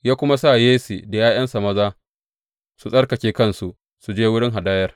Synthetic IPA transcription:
jaː˦kʷʊ˦ma˦sa˦˨jeː˦sḭ˨da˨jaː˦jɐ˦nsa˨mɐ˦zaː˦ | su˨sʼɐ˦rkɐ˨kʲeː˦kɐ˦nsu˨ʔ | su˨d͡ʒeː˦wʊ˦ɽɪ˦ŋɦa˨daː˦jɐ˦r

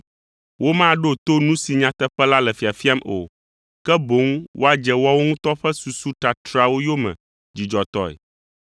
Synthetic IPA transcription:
wʔo˦mã˦˨ɖo˦t̪o˦nũ˦si˨ɲã˦t̪ɛ˦ɸɛ˦la˦lɛ˨fi˨a˨fi˦a˦mʔo̰˨ | kɛ˦bo˨˦ŋwʔo̰˦a˦d͡ʒɛ˨wo˦a˦wo˦ŋũ˦t̪ɔ˦ɸɛ˦su˨su˦t̪a˨t̪ɾa˦˨wo˦jo˦mɛ̰̃˨ | d͡ʑi˨d͡ʒɔ˨t̪ɔ˦ɛ̰˨

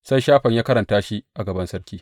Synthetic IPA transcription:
sa˦jʃaː˦ɸɐ˨ɲjaː˦kɐ˦ɾɐ˨ntaː˦ʃi˦ʔa˨ɡɐ˨bɐ˦nsɐ˦rkʲiː˦

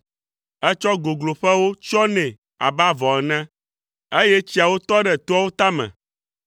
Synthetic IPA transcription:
ɛ˦t͡ʃɔ˦ɡo˨ɡlo˨ɸɛ˦wo˦t͡ʃɔ˦nɛ̃˨ | a̰˨ba˦vɔ˨ɛ˨nã˦ | e˦je˦t͡ɕi˦a˨wo˦t̪ɔ˦ɖɛ˨t̪o˦a˦wo˦t̪a˦mɛ̰̃˨

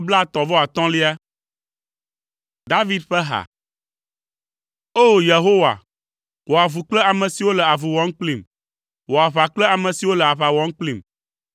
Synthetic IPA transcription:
bla˦t̪ɔ̃˨vɔ˦a˨t̪ɔ̃˦li˦a˦ | d̪a˦vi˦d̪ɸɛ˦ɦa̰˨ | o˦˨je˨ɦo˦wa̰˨ | wo˨a˨vu˨k͡plə˦a˨mɛ̃˨si˨wo˦lə˨a˨vu˨wɔ̃˦ŋ̩˦k͡pli˨m | wo˨a˨βa˨k͡plə˦a˨mɛ̃˨si˨wo˦lə˨a˨βa˨wɔ˦ŋ̩˦k͡pli˨m

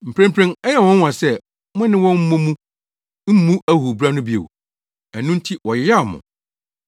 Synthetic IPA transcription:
m̩˨pʰɾɛ̃˦mpʰɾɛ̃˦ŋɛ˦jɛ˦˨wɔ̃˦n˦wã˨sɛ˦ | mʊ̃˦nɪ̃˦wɔ̃˦m̩˦mʊ̃˦mũ˦ | m̩˦mũ˦æ˦hu˨bɾa˦nʊ̃˦bi˦ḛ˨w | æ˨nũ˦n̩˦tʰi˦wɔ˨jɪ˨˦ja˦˨mʊ̰̃˨

